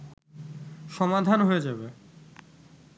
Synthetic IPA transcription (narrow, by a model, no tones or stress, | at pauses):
ʃɔmad̪ʱanɦojed͡ʑabe